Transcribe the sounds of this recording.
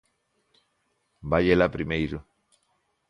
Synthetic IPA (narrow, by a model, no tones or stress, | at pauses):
baʎelapɾimejɾu